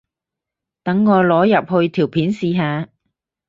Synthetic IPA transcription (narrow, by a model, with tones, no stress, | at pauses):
t̪ɐ˨˥ŋːɔː˨˧lɔː˨˥jɐ˨p̚hɵ˧ɥt̪ʰiː˨˩wpʰiː˨˥nsiː˨ɦaː˨˧